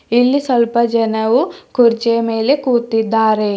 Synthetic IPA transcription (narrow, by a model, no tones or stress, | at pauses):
ilːisɐlpɐd͡ʒɐnɐwukuɾt͡ʃeːmeːlekuːɾt̪ːid̪ːaːɾe